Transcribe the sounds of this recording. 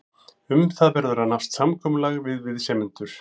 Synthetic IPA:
ʏmθaðvɛɾðʏɾaðnafst̪samkʰɔːmʏlaɣvɪðvɪðsɛːmɪnt̪ʏɾ̥

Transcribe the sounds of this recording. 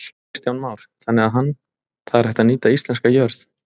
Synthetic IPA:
st̪jawnmaːwɾ̥θanːɛɣaðɦanː | θaðɛɾ̥hɛht̪aniːt̪aist̪lɛnskajœɾθ

